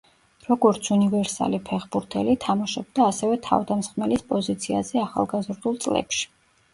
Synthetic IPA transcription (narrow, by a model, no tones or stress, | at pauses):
ɾɔɡɔɾt̪sʰunivɛɾsa̰lipʰɛχbuɾt̪ʰɛlit̪ʰamaʃɛb̚d̪aːsɛvɛt̪ʰa̰vd̪amsχmɛlispʼɔzit̪sʰiazɛaχa̰lˠɡazɾd̪ulˠt̪sʼlɛ̰pʃi̥